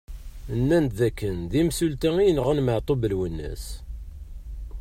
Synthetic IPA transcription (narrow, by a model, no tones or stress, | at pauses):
ənːænt̪ðækːənðimsult̪æŋijnʁənməʕt̪ˤobəlwənːə̰s